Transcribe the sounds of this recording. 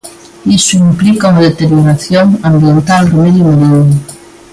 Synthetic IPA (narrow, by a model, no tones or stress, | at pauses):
isuimplikauŋaðet̪eɾjoɾaθjoŋambjent̪alremeðjumeɾin